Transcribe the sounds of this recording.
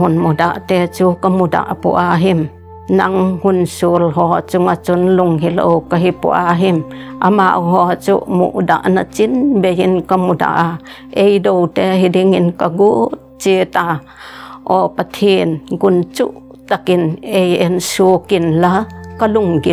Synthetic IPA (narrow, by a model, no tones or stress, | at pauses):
ɦunmudaʔt̪ɛt͡sukamuda̰ʔpṵʔaɦim | nɐŋhunsulɦɔt͡suŋat͡sunluŋɦilo̰wkaɦipṵʔaɦimʔama̰ʔɦɔat͡sṵʔmṵʔda̰ʔnat͡sinbejinkamuda̰ʔa | ʔejdowt̪eɦidiŋinkaɡu | t͡set̪a | ʔɔpat̪ʰinɡunt͡sṵʔ | t̪akinejensukinlakaluŋɡi